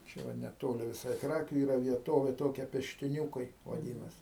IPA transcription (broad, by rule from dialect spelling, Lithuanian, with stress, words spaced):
ˈt͡ʃʲɛ ʋɐ nʲɛˈtoːlʲɪ ʋʲɪˈsɐɪ ˈkrɑːkʲʊ ˈiːrɐ ʋʲiɛˈtoːʋʲeː ˈtoːkʲɛ pʲɛʃʲtʲɪˈnʲuːkɐɪ ʋɐˈdʲɪnɐs